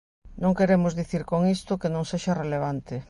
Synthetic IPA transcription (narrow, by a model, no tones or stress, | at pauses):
nõŋkeɾemʊzðiθiɾkoŋist̪ʊkenõŋseʃareleβ̞ant̪ɪ